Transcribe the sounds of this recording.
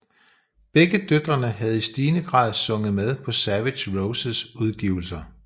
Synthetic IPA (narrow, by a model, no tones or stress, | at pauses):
b̥eɡ̥əd̥ød̥ʁɐnəɦæð̞ˠisd̥iːnəɡ̥ʁɑ̰̈ːð̞ˠsɔ̽ŋəð̩ˠmeð̞ˠpʰɒ̽sæʋe̥ɕʁoʊsəsuð̞ˠɡ̥ḭːʊl̩sɐ